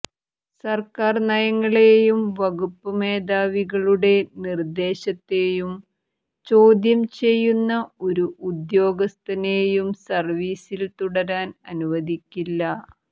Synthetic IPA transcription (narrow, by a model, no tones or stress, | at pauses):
sɐrkaːrnɐjɐŋːɐɭeːjumʋɐɣupːɐme̞ːd̪aːʋiɣɐɭuɽe̞nird̪e̞ːɕɐt̪ːe̞jum | t͡ɕo̞ːd̪jɐmt͡ɕe̞jːunːɐo̞ɾuud̪jo̞ːɡɐst̪ɐne̞ːjumsɐrʋiːsilt̪uɽɐɾaːnɐnuʋɐd̪ikʲːilːɐ